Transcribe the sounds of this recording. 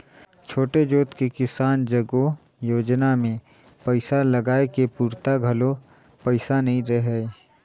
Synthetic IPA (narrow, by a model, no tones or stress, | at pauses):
t͡ʃʰoːʈed͡ʒoːt̪kekɪsaːnd͡ʒɐɡo | joːd͡ʒnamẽ | pəɪsalɐɡaːekepuːɾt̪aɡʱɐlo | pɐɪsanɐɦĩɾɛɦɛ